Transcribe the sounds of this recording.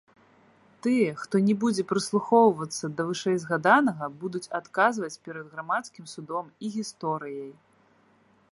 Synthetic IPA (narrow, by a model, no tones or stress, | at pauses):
t̪ɨjɛxt̪ɔnʲɛbud͡zʲɛpɾɨslˠuxɔwvɐt̪sːɐd̪ɐvɨʂɛjzɣad̪anɐɣɐbud̪ut͡sʲat̪kazvɐt͡sʲpʲɛɾɐd̪ɣɾamat̪skʲimsud̪ɔmiɣʲist̪ɔɾɨjɐj